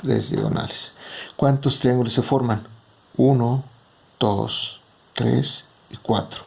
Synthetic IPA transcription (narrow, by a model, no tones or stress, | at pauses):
t̪ɾḛzd̪ḛɣo̰na̰leskwant̪ost̪ɾiaŋɡulosefoɾman | uno | d̪̥o̰s | t̪ɾḛs | ikwa̰t̪ɾo̥